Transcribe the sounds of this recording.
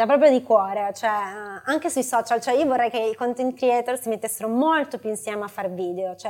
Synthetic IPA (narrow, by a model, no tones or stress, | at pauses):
d͡ʒapːɾɔːpɾjod̪ikwɔːɾet͡ʃoɛaŋk̟esujsɔːt͡ʃalt͡ʃoɛiːovorːɛjkeikont̪int̪ɾiɛt̪ersimet̪ːesːeɾomolt̪opjuinsjɛːmeafːarviːd̪eot͡ʃoɛ